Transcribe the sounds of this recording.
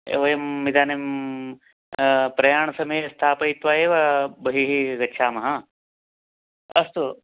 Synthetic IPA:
ḛʋɐjɐmːid̪ʱaːnim | pɾɐjaːɳɐsɐmeːɐst̪ʰaːpɐit̪ʋaːeːʋɐbɐɦiɦiɡɐtːʃʰaːmɐɦɐ | ɐst̪u

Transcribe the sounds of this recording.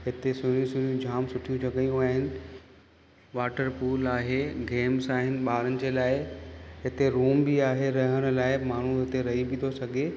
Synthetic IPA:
ɦɪt̪esʊɾjũsʊɾijũd͡ʑʱaːmsʊʈʰijũt͡ɕɐɠəjũaːɦɪnɪ̆ | ʋaːʈəɾpuːlaːɦeɡeːmsaːɦɪnɪ̆ɓaːɾənɪ̆d͡ʑeːlaːɪɦɪt̪eɾuːmbiaːɦeɾɐɦəɽ̃ʊ̆laːɪmaːɳ̤ũɦɪt̪eɾɐɦibɪ̃t̪ʰosɐɡʱe

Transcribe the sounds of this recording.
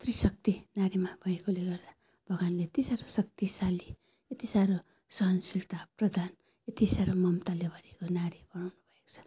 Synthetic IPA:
t̪risʌk̚t̪inaɾimabʱʌekoleɡʌrd̪a | b̥ʱʌɡanlet̪isaɾosʌk̚t̪isali | jet̪isaɾo | sʌɦʌnsilt̪aprʌd̪ʱan | et̪isaɾomʌmt̪alebʱʌɾekonaɾib̥ʌnawnubʱʌeko̥t͡sʰʌ̥

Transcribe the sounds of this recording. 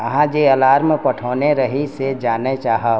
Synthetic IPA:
ɐɦãd͡ʒeɐlaːɾmpɐʈʰoːneɾɐɦised͡ʒaːnet͡ʃaːɦə

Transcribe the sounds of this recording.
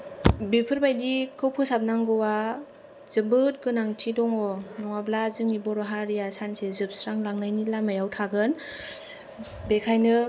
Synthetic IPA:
bipʰɯɾbajdikʰɯwpʰɯsap̚naŋɡɯwa | zɯbɯt̚ɡɯnaŋtʰidɔŋɔnɔŋablazɯŋnibɔɾɔɦaɾijasansezɯp̚sɾaŋlaŋnajnilamajawtʰaɡɯn | bekʰajnɯ

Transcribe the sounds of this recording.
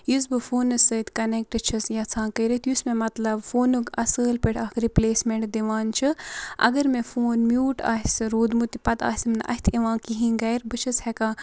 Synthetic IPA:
jus̬bɨfoːnɨsɨt̪kɐnek̚ʈɨt͡ʃʰɨsjɐt͡sʰãːkəɾit̪jusmẽmɐt̪lɐbfoːnuɡɐsəːlpiʈʰaːkɾipleːsmeɳʈd̪iʋaːnt͡ʃʰɨʔɐ̰ɡɐɾmefoːnmjuːʈa̰ːɦisɨɾoːd̪mut̪ipɐt̪a̰ːsimnɨʔɐ̰ɦʲt̪ʰiʋãːkiɦĩɡɐjɾbɨt͡ʃʰɨshɛkãː

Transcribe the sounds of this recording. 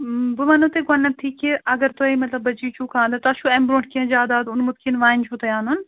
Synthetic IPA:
bʊmɐnũt̪eɡɐnːɐt̪ʰiːkeʔɐɡəɾt̪oimɐt̪lɐbːɐd͡ʒit͡ʃʰukʰãːnd̪at̪ɐʃʰuẽːmbɾõːɳʈ̚kiẽd͡ʒaːd̪aːd̪ʊnmʊt̪kinʋaːnt͡ʃʰut̪ɐjaːnʊn

